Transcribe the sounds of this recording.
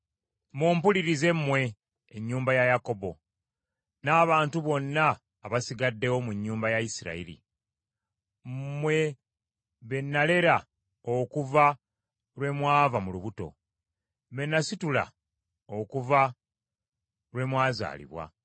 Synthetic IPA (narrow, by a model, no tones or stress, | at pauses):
muːmpuliɾize̞mmwe̞ː | ɲːuːmbajajako̞bo̞ | naːβaːntuβo̞nːaː | βasiɡadːe̞wo̞muɲːuːmbajaisiɾa̰ḭɾḭ | mwe̞ | βe̞nːale̞ɾa | okuva | lwe̞mwaːvamuluβuto̞̰ | menːasitula̰ | okuva | lwe̞mwaːza̰ːlḭβwa̰